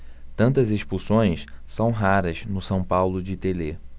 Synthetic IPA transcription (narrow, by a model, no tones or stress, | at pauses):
t̪ɐ̃nt̪ɐzeʃpusõj̃ssɐ̃w̃ɦaɾɐznʊsɐ̃w̃pawlʊd͡ʒɪt̪ele